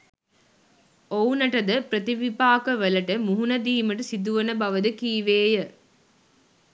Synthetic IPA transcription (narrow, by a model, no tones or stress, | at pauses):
ownɐʈɐd̪ɐpɾɐt̪iʋipaːkɐʋɐlɐʈɐmuɦunɐd̪iːmɐʈɯsid̪uʋɐnɐbɐʋɐd̪ɨkiːʋeːjɐ